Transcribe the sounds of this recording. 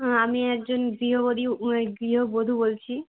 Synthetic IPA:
amiɛk̚d͡ʑonɡɾiɦobod̪ʱiɡɾiɦobod̪ʱubolt͡ɕʰi

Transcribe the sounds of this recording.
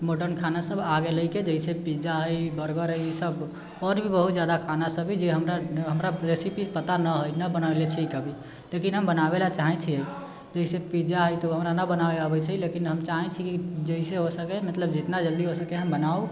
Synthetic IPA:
moʈəɾnkʰanasəbʱaɡeləjked͡ʒəisepid͡ʒaɦəjbəɾɡəɾɦəjsəb | ɔɾbʱibəɦut̪d͡ʒjad̪akʰanasəbʱid͡ʒeɦəmɾaɦəmɾaɾesipipət̪anəɦəjnəbənalet͡ʃʰɛkəbʱi | lekinɦəmbənabelat͡ʃaɦɛ̃t͡ʃʰiə | d͡ʒəisepid͡ʒaɦəjt̪ɔɦəmɾanəbənabeabɛt͡ʃʰɛilekinɦəmt͡ʃaɦɛ̃t͡ʃʰikid͡ʒəiseɦosəkɛmət̪ləbd͡ʒit̪nad͡ʒəld̪iɦosəkɛɦəmbənau

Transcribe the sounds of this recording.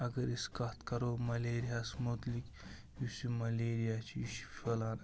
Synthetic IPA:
ɐɡɐɾiskɐt̪kɐɾoːmɐleːɾijaːsmot̪lik | jusimɐleːɾijat͡ʃʰiʃʰelaːn

